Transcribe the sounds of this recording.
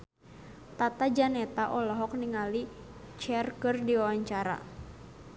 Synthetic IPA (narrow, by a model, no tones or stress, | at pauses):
t̪at̪ad͡ʒanɛt̪aʔɔlɔɦɔk̚niŋali | t͡ʃɛrkɨrdiwawaɲt͡ʃaɾa̰